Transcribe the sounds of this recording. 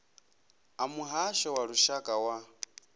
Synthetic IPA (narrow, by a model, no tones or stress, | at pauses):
amuɦaʃɔwaɺuʃakʼawa